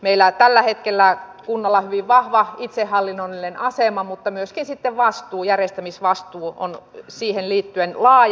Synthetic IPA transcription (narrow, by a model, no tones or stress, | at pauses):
meilːæt̪ælːæhet̪kelːækunːɑlːɑhyʋiʋʋɑhʋɑit̪sehhɑlːinːolːienɑsemɑmut̪ːɑmyøskinsit̪ːeʋʋɑst̪uːjærjest̪æmisʋɑst̪uːo̰nsiːhenliːt̪ːyenlɑːj